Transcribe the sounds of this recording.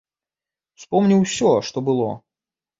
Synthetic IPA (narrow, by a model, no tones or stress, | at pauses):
fspɔmnʲiwsʲɔʂt̪ɔbɨlˠɔ̰